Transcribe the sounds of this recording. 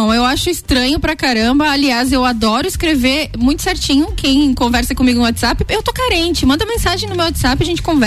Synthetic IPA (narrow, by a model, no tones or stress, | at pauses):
w̃ewaʃʊɪst̪ɾɐ̃ɲʊpɾɐkaɾɐ̃mbɐaliazewad̪ɔɾʊɪskɾeveɾmũj̃t̪ʊsɛɾt͡ʃĩɲʊkʰẽj̃kõvɛɾsɐkõmiɡʊnʊwat̪z̥apɪewt̪okaɾẽnt͡ʃɪmɐ̃nd̪ɐmẽsaʒẽj̃nʊmewat̪z̥apɪaʒẽnt͡ʃɪ̥kõvɛ